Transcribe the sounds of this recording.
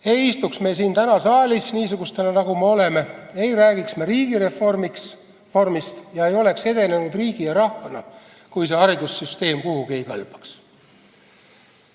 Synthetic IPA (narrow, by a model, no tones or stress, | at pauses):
e̞jist̪uksme̞siːnt̪ænɑsɑːlʲisniːsuɡ̥ust̪ænɑnɑɡ̥ume̞o̞le̞me̞e̞jɾæːɡ̥iksmeɾiːɡ̥iɾeformiks | formist̪jɑe̞jo̞le̞kse̞d̪e̞ne̞nud̪riːɡ̥ijɑɾɑhvɑnɑ | kujs̬e̞ɑɾid̪usːyst̪e̞ːmkuhuɡie̞jkɑlb̥ɑ̥ks